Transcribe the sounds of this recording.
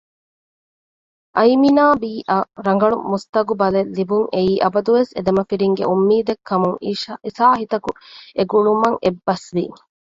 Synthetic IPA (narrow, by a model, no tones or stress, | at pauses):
ʔɐjminaːbiːʔɐɾɐŋ̆ɡɐɭumust̪ɐɡubɐlelːibuŋeiːʔɐbɐd̪uʋesed̪ɐmɐfiɾiŋɡḛʔumːiːd̪ekʰːɐmuŋisaːɦit̪ɐkueɡuɭumɐŋebːɐsʋi